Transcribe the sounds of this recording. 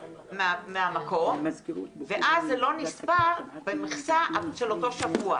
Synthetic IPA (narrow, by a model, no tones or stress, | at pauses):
mmeamakʰo̞mveʔazːelo̞nispaʁbemeχsaʃeloto̞ʃavua